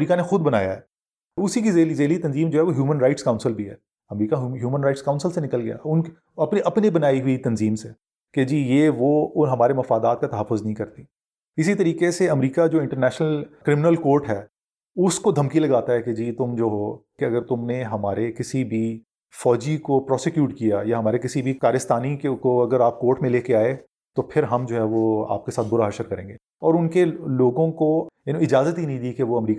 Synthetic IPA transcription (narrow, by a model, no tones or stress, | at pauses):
ɾiːkanexʊd̪̚bɐna̰ːja̰ɦɛː | ʊsikizeːlizeːlit̪ɐnziːmd͡ʒoːɦɛʋoɦjuːmənɾaɪʈskãʊ̃nsɪlbʱiɦɛ̰ː | ɐmɾiːkaɦɦjuːmənɾaɪʈskãʊnsɪəlsenɪkəlɡɐja̰ʊnk | ɐpneʔɐpnebɐnaːiɦʊit̪ɐnziːmse | ked͡ʒiːjeːʋoːɦɐmaːɾemɐfaːd̪aːt̪̚kat̪ɐɦəfːʊznəɐɦĩkɐɾt̪i | ɪsit̪ɐɾiːkeseɐmɾiːkad͡ʒoːɪ̃ɳʈəɾnɛːʃnəlkɾɪmɪnəlkoːɾʈɦɛː | ʊskod̪ʱɐmkilɐɡaːt̪aɦɛked͡ʒiːt̪ʊmd͡ʒoːɦokeɐɡəɾt̪ʊmneɦɐmaːɾekɪsibʱi | fɔːd͡ʒikopɾɔːsekjuːʈkijajaɦɐmaːɾekɪsibʱikaːɾɪst̪aːnikekoɐɡəɾaːp̚koːɾʈmẽleːkeaːe | t̪opʰɪɾɦɐmd͡ʒoːɦɛʋoa̰ːp̚kesaːt̪̚bʊɾaɦɐʃəɾkɐɾẽːŋɡeː | ɔːɾʊnkeloːɡõkojɐnĩɪd͡ʒaːzət̪ɦinɐɦĩd̪iːkeʋoɐmɾiːka